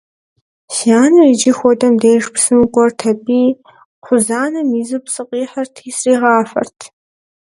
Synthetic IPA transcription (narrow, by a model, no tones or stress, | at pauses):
sjaːnɨid͡ʒɪxʷɔdɐmdeːʂpʰsɨmɨkʷʼɔrtʰɐbiː | χʷʊzaːnɐmizɨpsɨqʼiːħɐrtʰisriːʁɑːfɐ̰rtʰ